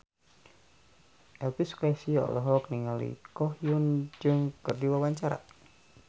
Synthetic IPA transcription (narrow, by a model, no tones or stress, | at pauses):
ʔɛlpiskasiɔ̰lɔɦɔkniŋalḭkɔhjund͡ʒɨŋkɨrdiwawaɲt͡ʃaɾa̰